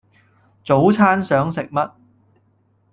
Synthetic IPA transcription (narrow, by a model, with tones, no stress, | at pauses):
t͡so˨˥wt͡sʰaː˥nsœː˨˥ŋsɪ˨k̚mɐ˥t̚